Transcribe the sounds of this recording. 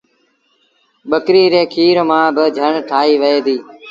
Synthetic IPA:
ɓəkɾiːɾeːkʰiːɾmãːbɪd͡ʒʱəɳʈʰaːɦiːʋəeːd̪iː

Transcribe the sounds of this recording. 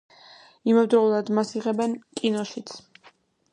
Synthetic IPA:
imɛvd̪ɾɔulˠad̪masiʁɛbɛnkʼinɔʃit̪sʰ

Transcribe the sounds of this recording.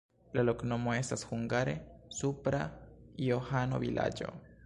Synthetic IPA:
laloknomwest̪asxuŋɡaɾesupɾaiohanoβilʔa̰d͡ʒo̰

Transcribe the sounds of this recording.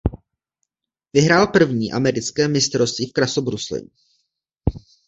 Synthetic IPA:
vɪɦɾaːlpr̩vɲiːʔamɛɾɪt͡skɛːmɪst̪ɾost̪viːfkɾasobɾuslɛ̰

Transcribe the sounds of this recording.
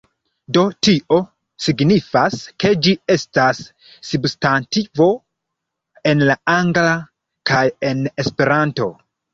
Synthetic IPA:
do̞tiʔo̞ | siɡnifaske̞d͡ʒie̞stasː | ubstantivo̞ | e̞nlaaŋɡla | kaje̞ne̞spe̞ɾanto̞̰

